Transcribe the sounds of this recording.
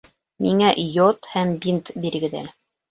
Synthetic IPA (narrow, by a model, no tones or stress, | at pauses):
miŋæjot̪hæmbint̪biɾɘ̆ɡɘ̆ðæ̰l